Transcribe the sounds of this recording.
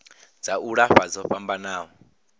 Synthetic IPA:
d͡zaʔuɺaɸad͡zɔɸambanaːɦɔ

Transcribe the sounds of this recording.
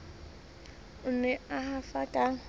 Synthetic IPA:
ʊnɛahafakʼa

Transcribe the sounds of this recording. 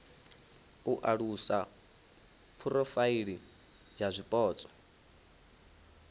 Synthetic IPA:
uʔaɺusa | pʰuɾɔfaiɺi | d͡ʒazʷipʼɔːt͡sʼɔ̥

